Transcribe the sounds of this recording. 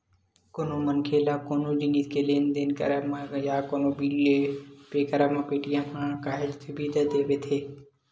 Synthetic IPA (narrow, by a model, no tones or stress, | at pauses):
konoːmənkʰeːlaːkoːnõːd͡ʒiːniːt̪kʰeleːnd̪enkə̰ɾəmãjaːkoːnoːbiːlepeːkəɾəmãːpeːʈijãːmʰãːkaːɦɪlt̪ʰɪbiːd̪əd̪eːʋeːt̪ʰeː